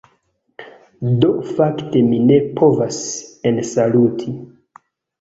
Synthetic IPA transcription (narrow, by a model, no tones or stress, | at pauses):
do̞fakte̞mine̞pʰo̞vasensalutʰi